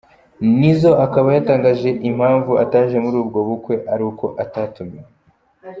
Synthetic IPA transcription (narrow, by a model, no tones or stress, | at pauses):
nizo̞akaβajataːŋɡaʒe̞ʔim̥haːɱvuʔataːʒe̞muɾuːbɡo̞βukwe̞ʔaɾiko̞ʔataːtumije